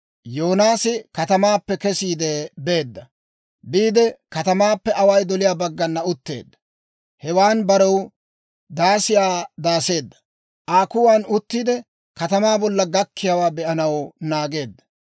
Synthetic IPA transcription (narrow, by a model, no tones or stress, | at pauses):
jo̞ːnaːsɪkɐt̪ɐmaːpːɛkɛsiːd̪ɛbe̞ːd̪ːɐ | biːd̪ɛkɐt̪ɐmaːpːɛʔɐwɐjd̪ɔlɪjaːbɐɡːɐnːɐʊt̪ːe̞̰ːd̪ːɐ̥ | hɛwaːnbɐɾɛw | d̪aːsɪjaːd̪aːse̞ːd̪ːɐ̥ | ʔaːkʊwaːnʊt̪ːiːd̪ɛ | kɐt̪ɐmaːbɔlːɐɡɐkʰːɪjɐwaːbɛʔɐnɐwnaːɡe̞ːd̪ːɐ̥